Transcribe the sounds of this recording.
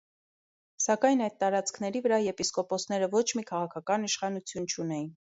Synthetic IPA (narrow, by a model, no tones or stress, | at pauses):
sɑkɑjnɑjd̪̚t̪ɑɾɑt͡skʰnɛɾivəɾɑjɛpiskɔpɔsnɛɾəvɔt͡ʃʰmikʰɑʁɑkʰɑkɑniʃχɑnut͡sʰjunt͡ʃʰunɛjin